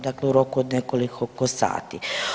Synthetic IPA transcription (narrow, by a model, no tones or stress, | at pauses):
d̪aːkleuɾo̞kuod̪nekolikʰokosa̰ːt̪ḭ